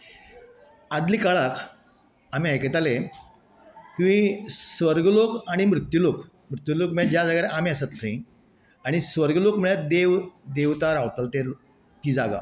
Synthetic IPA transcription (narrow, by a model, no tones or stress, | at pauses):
ad̪liːkaɭak | amiajket̪ale | t̪uʋĩsʋəɾɡəlokaɽ̃imɾut̪julok | mɾut̪julokməɭad͡ʑjad͡zaɡaɾʔamĩəsat̪ːəĩ | aɽ̃isʋəɾɡəlokməɭjad̪eʋd̪eʋt̪aɾaʋt̪əlt̪eɾ | t̪iːd͡zaɡa̰